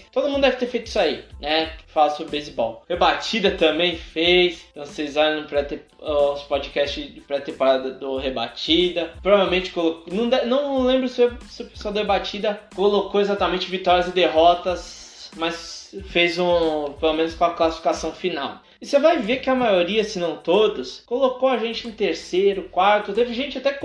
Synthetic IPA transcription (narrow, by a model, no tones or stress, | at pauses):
t̪od̪ʊmũd̪ʊd̪ɛvɪt̪eɾfejt̪ʊisainɛfalasobɾɪbejzibɔwhebat͡ʃid̪ɐt̪ɐ̃mbẽj̃fejst̪ɐ̃w̃sejzaɾ̃ʊ̃pɾɛt̪e | ɔspod͡ʒikɛst͡ʃɪpɾɛt̪epaɾad̪ɐd̪ʊheba̰t͡ʃid̪ɐpɾovavewmẽnt͡ʃɪ̥koloknɐ̃w̃d̪ɛnɐ̃w̃ñlẽmbɾʊsesɪʊpe̥swawd̪ɐhebat͡ʃid̪ɐkolokoezat̪ɐmẽnt͡ʃɪvit̪ɔɾiɐzɪd̪eɦɔt̪ɐs | mɐsfejzũpelomẽnʊskõɐklasi̥fi̥kasɐ̃w̃finaw | ɪsevajvekɪɐmajoɾiɐsɪnɐ̃w̃t̪od̪ʊskolokoɐʒẽnt͡ʃɪʊ̃t̪eɾsejɾʊkwaɾt̪ʊt̪evɪʒẽnt͡ʃɪat̪ɛ